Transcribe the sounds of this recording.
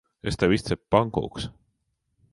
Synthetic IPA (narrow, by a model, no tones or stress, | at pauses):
est̪ævist̪seppɑŋko̰ks